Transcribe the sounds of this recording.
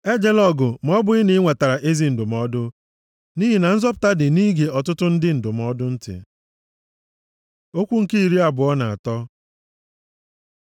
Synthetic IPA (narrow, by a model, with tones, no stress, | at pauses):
e˦d͡ʒe˨lɔ˦ɡʊ˨m˦ɔ˦bʊ˦ɪ˦nɪ˨ɪ˦ŋʷa˨ta˨ɾa˨ʔe˦zi˦n̩˨dʊ˨mɔ˦dʊ˦ | ni˦ɦi˨na˨n̩˦zɔ˦p̬ʊ̥˨ta˦dɪ˨niː˦ɡe˨ɔ˨tʊ˦tʊ˦n̩˦dɪ˦n̩˨dʊ˨m˦ɔ˦dʊ˦n̩˦tɪ̰˨ | o˦kʷu˦ŋ̩˨ke˦i˨ɾi˦a˨bʊ˨ɔ˦na˨a̰˨tɔ˦